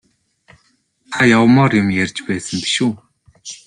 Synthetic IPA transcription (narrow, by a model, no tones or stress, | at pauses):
t̪ʰajawmɔrjə̆mjerʲt͡ɕpæːsə̆mpi̥ʃu